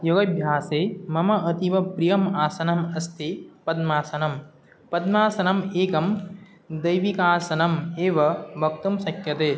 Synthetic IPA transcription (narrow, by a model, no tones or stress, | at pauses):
joɡɐbʱjaːseːmɐmɐɐt̪iʋɐpɾijɐmaːsɐnɐmɐst̪ʰipɐd̪maːsɐnɐm | pɐd̪maːsɐnɐmeːkɐm | d̪ɐjʋikaːsɐnɐmeːʋɐbɐk̚t̪umsɐkjɐt̪eː